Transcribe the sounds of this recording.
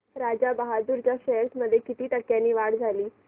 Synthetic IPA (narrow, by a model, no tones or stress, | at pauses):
ɾad͡ʑabəɦad̪uːɾt͡ɕjaɕɛɦəɾsməd̪ʱːjekit̪iːʈ̪əkːjanːiːʋaɽd͡zʱaliː